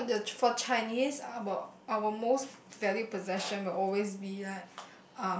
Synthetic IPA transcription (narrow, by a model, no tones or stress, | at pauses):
dəfɔt͡ʃaɪniswəawəmosvɛlipɔzɛʃə̃nwɪlɔlwesbilat̚ | ã